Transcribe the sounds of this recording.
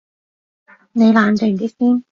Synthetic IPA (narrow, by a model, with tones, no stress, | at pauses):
ne˨˧jlaː˨˧nt̪e˨˧˩t̪iː˥siː˥n